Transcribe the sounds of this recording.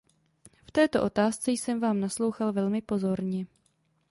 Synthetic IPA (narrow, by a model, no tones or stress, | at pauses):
ft̪ɛːt̪o̞ʔo̞t̪aːst͡sɛjsɛmvaːmnaslo̞wxalvɛlmɪpo̞zo̞ɾɲɛ